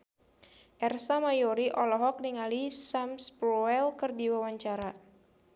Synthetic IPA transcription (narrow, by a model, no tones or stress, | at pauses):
ʔɛrsamajoɾiʔɔlɔɦɔk̚niŋalisamspɾɔɛlkɨrdiwawaɲt͡ʃaɾa